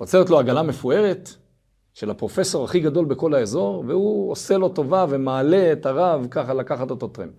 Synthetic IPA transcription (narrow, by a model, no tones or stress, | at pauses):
ot͡selet̪lo̞aɡalame̞fue̞ʁet | ʃe̞lapʁo̞fe̞so̞ʁaχiɡado̞lbe̞ko̞laezo̞ʁvehuose̞lo̞to̞vave̞maːle̞ːtaʁavkaχalakaχatot̪ot̪ʁḛm